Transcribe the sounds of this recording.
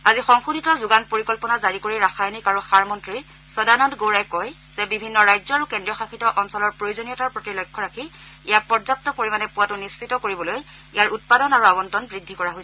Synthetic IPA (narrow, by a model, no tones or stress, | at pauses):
azixɔŋxuditɔzuɡanpoɹikɔlpɔnazaɹikoɹiɹaxajnikaɹuxaɹmɔntɹi | sɔdanɔndɡoɹajkɔj | z̥ɛbibʱinːɔɹajd͡ʒzɔaɹukɛndɹiɔxakitɔʔɔnsɔlɔɹpɹojozonijɔtaɹpɹotilojkʰːɔɹaki | ijak̚pɔzap̚tɔkoɹimanɛpuwatʊnist͡ʃitɔkoɹibɔloj | ijaɹut̚padɔnaɹuabɔntɔnbɹidʱːikɔɹaɦojsɛ